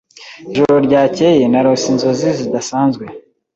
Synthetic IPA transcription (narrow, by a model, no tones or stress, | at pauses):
iʒoɾoɾɟaːcejenaɾosinzo̞zizidasaːnzɡwe̞